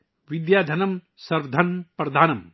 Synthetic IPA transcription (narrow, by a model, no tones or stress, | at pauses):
ʋid̪jaːd̪ʱɐnɐm | sɐɾʋɐd̪ʱɐnpɾɐd̪ʱaːnɐm